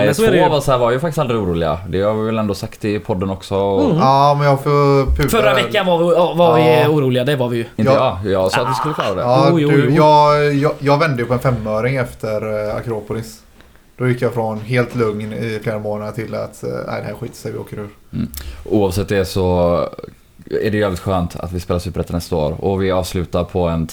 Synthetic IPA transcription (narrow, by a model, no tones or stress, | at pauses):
ɛsoːvashæːɾvaɾjɵfak̚t̪ɪ̥stald̪ɾɪuːɾuːlɪɡa̰d̪ɛhaɾvɪvɛlɛnd̪oːsakt̪ɪpʰɔd̪ːənɔksɔɔɑmɛnjɑːfɔpʰʉːfœɾːavɛkːanvaɪvaɾvɪuːɾuːlɪɡad̪ɛvaɾvɪjɵɪnəɑːjɑːɡsɔːat̪dɪskɵlːəkʰlɑːɾad̪ɛ̰ɑd̪ʉjɑːɡjjɑːɡvɛnd̪əjəpʰɔɛnfɛmːøːɾɪŋɛft̪ʰəɾa̰kɾoːpʊlɪs | d̪̥ɔjɪkːjɑfɾɔnɦeːlt̪lɵŋnɪfleːɾamoːnat̪ʰɪlːa̰t̪næ̰ɪd̪ɛhæːɾɧiːt̪ə̥sɛɪvɪo̰ːkəɾʉ̟ːɾ̩ | uːɑvsɛt̪ːd̪ɛsɔ | æ̰ɖɛjʏɛːvlɪt̪ɧøːnt̪ʰa̰t̪vɪspeːlasʉpːɾɛt̪ːənɛst̪ao̰ːɾɔ̰vɪɑːvslʉ̟ːt̪aɾpʰɔɛn